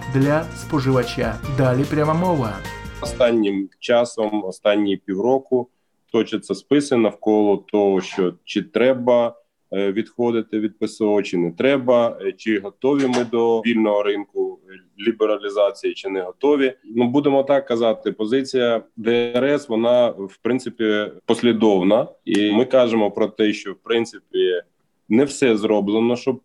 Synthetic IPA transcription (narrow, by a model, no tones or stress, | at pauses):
d̪lʲɐspɔʐɨʋɐt͡ʃʲad̪alʲipɾʲamɐmɔʋɐɔst̪ɑnʲːɪmt͡ʃɑsɔmɔst̪ɑnʲːipʲiwɾɔkʊ | t̪ɔt͡ʃɐt̪sɛspɪsenɐwkɔlˠɔt̪ɔɦɔʃt͡ʃɔt͡ʃɪt̪ɾɛbɐ | ʋʲid̪xɔd̪ɪt̪ɪʋʲid̪̚pɪsɔɔt͡ʃɪnɛt̪ɾɛbɐt͡ʃɪɦɔt̪ɔʋʲimɪd̪ɔʋʲilʲnɔɦɔɾɪnkʊ | lʲibeɾɐlʲizɑt͡sʲijit͡ʃɪnɛɦɔt̪ɔʋʲinubud̪emɔt̪ɑkːɐzɑt̪ɪpɔzɪt͡sʲijɐd̪ɛɾɛsʋɔnɑwpɾɪnsɪpʲipɔsʲlʲid̪ɔwnɐimɪkɑʒemɔpɾɔt̪ɛʃt͡ʃɔwpɾɪnt̪sɪpʲi | nɛwsɛzɾɔblˠenɔʃt͡ʃɔb̚